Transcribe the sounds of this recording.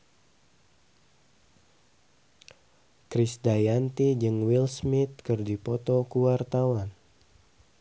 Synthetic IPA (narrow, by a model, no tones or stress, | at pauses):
kɾisdajant̪id͡ʒɨŋwilsmɪt̪̚kɨrdipɔt̪ɔkuwart̪awan